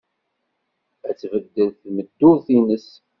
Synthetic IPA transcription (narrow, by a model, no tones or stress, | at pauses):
æt͡sːvəd̪ːəlθməd̪ːʊðθinəs